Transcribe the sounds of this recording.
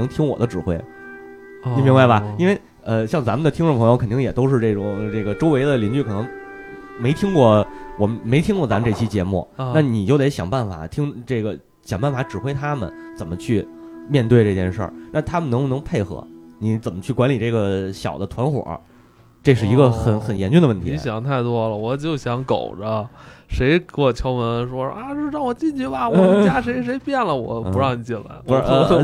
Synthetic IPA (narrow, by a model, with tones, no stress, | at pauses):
ɤ˧˥ŋt̪ʰi˥ŋwɔ̰˨˩d̪ə˦ʈ͡ʂɻ̩˨˩xwe˥ɪ | ni˨˩mi˧˥ŋba˥˩ɪbɐ˩i˥nwe˥˧ɪ | ə˧ɕjɑ˥˩ŋt͡sa˧˥mə˨˧d̪ə˧t̪ʰi˥ŋʈ͡ʂʊ˥˩pʰɤ˧˥jo˧kʰə˨˩nt̪i˥˩˧jɛ˨˩t̪o˥ʊʂɻ̩˥˧ʈ͡ʂe˥˩ʈ͡ʂʊ˨˩ŋʈ͡ʂɤ˥˩ɡə˩ʈ͡ʂo˥ʊwe˧˥ɪd̪ə˧˨li˧˥ny˥˩kʰɤ˨˩nɤ˧˥ŋ | me˧˥ɪt̪ʰi˥ŋkwɔ˥˩wɔ˨˩me˧˥ɪt̪ʰi˥ŋkwɔ˥˩t͡sa˧˥mə˧ʈ͡ʂɤ˥˩t͡ɕʰi˥t͡ɕjɛ˧˥mṵ˥˩a˥˩ni˨˩t͡ɕjo˥˩ʊe˧˥ɪɕjɑ˨˩ŋpa˥˩nfa̰˨˩˦t̪ʰi˥ŋʈ͡ʂe˥˩ɡə˩ | ɕjɑ˨˩ŋpa˥˩nfa˧˥ʈ͡ʂɻ̩˨˩xwe˥ɪt̪ʰa˥mə̰˨nt͡sə˨˩mə˦t͡ɕʰy˥˩mjɛ˥˧nt̪we˥˧ɪʈ͡ʂɤ˥˧t͡ɕjɛ˥˧nʂə̰˞˥˧˩na˥˩t̪ʰa˥mə˨n˧˥ŋu˥˧nɤ˧˥ŋpʰe˥˩ɪxɤ̰˧˥ni˧˥t͡sə˨˩nmə˦t͡ɕʰy˥˩kwa˧˥nli˨˩ʈ͡ʂɤ˥˩ɡə˩ɕjɑ˨˩ʊd̪ə˦t̪ʰwa˧˥nxwɔ̰˨˩˥ | ʈ͡ʂɤ˥˧ʂ̬ɻ̩˥˩i˧˥ɡə˧xə˨˩nxə˨˩njɛ˧˥nt͡ɕy˥˩˧d̪ə˧ʋə˥˩nt̪ʰḭ˧˥ɕjɑ˨˩˦ŋt̪ʰa˥˩ɪt̪wɔ˥lə˨wɔ˨˩t͡ɕjo˥˩ʊɕjɑ˧˥ŋko̰˨˩ʊʈ͡ʂə˦ʂe˧˥ɪkwɔ˥˩t͡ɕʰjo˧˥ʊmwə˧˥nʂwɔ˥a˥˧t͡ɕo˥˧ʊɻɑ˥˩ŋwɔ˨˩t͡ɕi˥˧nt͡ɕy˥˩bɐ˧wt͡ɕja˥ʂ̬e˧˥ɪʂ̬e˧˥ɪpjɛ˥˩nlə˩wɔ̰˨˩˦pu˧˥ɻɑ˥˩ŋni˨˩t͡ɕi˥˩nla̰˧˥ɪ˧˥˧